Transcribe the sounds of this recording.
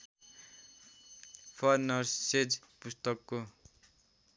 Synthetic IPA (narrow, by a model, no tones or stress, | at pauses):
pʰʌrnʌrsed͡zpust̪ʌkːo